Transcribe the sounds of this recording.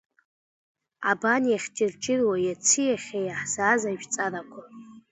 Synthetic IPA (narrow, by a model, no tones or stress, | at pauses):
a̰banjaχʲd͡ʒʼɪrt͡ʃʼɪrwajat͡sʰijaχʲejaħz̥aːzaʒᶣt͡sʼarakʷʰa